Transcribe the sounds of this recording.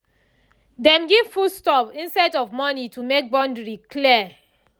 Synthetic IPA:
dɛ̃mɡiv̥fustɔpĩnsadɔvmɔnitumek̚bɔ̃ndɹikʰliɛ

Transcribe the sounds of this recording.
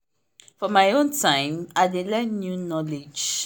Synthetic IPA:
fɔmaɪõntʰãɪ̃maɪdelɛ̃nnjunɔled͡ʒ

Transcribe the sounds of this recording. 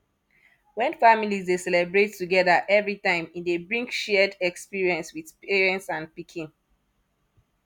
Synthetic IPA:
wɛ̃nfamilizdesɛlɛbɹetːuɡɛðaʔɛvɹitãɪ̃mĩndebɹĩŋkʃɛdɛkspiɹiɛ̃nswidpiɹiɛ̃nsãnpikʰĩn

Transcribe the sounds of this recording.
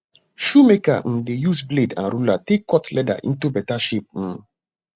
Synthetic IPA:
ʃumeka̰m̩dejusbledã̰nɾulatekːɔtlɛda̰ʔḭ̃ntubɛtaʃip̚m̩

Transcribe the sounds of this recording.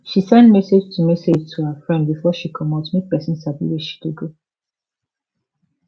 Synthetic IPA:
ʃisɛ̃ndmɛsed͡ʒtʰumɛsed͡ʒtʰuhəfɹɛ̃nd̚bifɔʃikʰɔmãtmek̚pɛsĩnsabḭweʃi̥kuɡo

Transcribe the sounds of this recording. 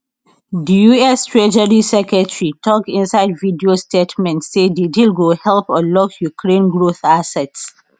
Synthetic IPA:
dijuɛstʰɹed͡ʒəɹisɛkɛtɹitʰɔkĩnsaɪdvidiostetmɛ̃ntsedidilɡohɛlpɔlɔkjukʰɹẽnɡɹoθasɛts

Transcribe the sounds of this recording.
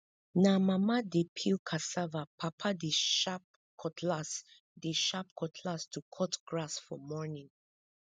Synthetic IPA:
namamadepʰilkʰasavapʰapʰadeʃap̚ | kʰɔtʰlas | deʃap̚kʰɔtʰlastʰukʰɔtɡ̥ɹasfɔmɔnĩŋ

